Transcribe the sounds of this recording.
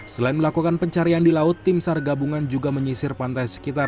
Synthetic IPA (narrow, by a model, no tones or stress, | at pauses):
səlaɪnməlakukanpəɲt͡ʃaɾiandilaʊt̪ːɪmsarɡabuŋand͡ʒuɡaməɲisɪrpant̪ajsə̥kit̪ar